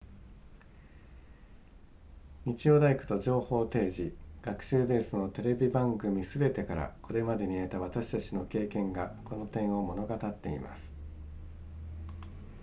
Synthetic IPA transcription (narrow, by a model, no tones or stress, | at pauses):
ɲ̟it͡ɕio̞ːd̪aikɯ̟̥t̪o̞ʑo̞ːho̞ːt̪e̞ːʑiɡ̥akɯ̟̥ɕɨːbe̞ːsɨno̞t̪e̞ɾe̞bʲibãŋɡɯ̟mʲisɨbe̞t̪e̞kaɾa̰ko̞ɾe̞mad̪e̞ɲ̟ie̞t̪aβ̞at̪aɕi̥t̪at͡ɕino̞ke̞ːkẽ̞ŋɡako̞no̞t̪ẽ̞ɰ̃o̞mo̞no̞ɡat̪at̪ːe̞ḭma̰sɨ̥